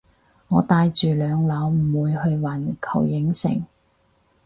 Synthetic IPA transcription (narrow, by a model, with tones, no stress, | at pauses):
ŋɔː˨˧t̪aː˧jt͡ʃyː˨˩lœː˨˧ŋlɐ˨˥wm̩˨˩wuː˨˧jhɵ˧ɥwɐ˨˩nkʰɐ̰˨˩wjɪ˨˥ŋsɪ̰˨˩ŋ